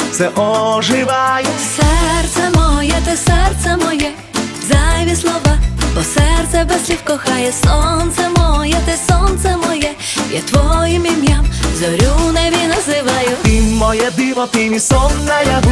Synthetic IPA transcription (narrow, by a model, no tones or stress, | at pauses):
sɛʔɔʐɪʋajɛsɛrt̪sɛmɔjɛt̪ɛsɛrt̪sɛmɔjɛ | zajʋʲislˠɔʋabɔsɛrt̪sɛbɛsʲlʲiwkɔxɑjɛsɔnt̪sɛmɔjɛt̪ɪsɔnt̪sɛmɔjɛ | ja̰t̪ʋɔjimimʲjamzɔɾʲunɛʋʲinɐzɪʋajʊt̪imɔjɛd̪ɪʋɔt̪ɪmʲisɔnːɐja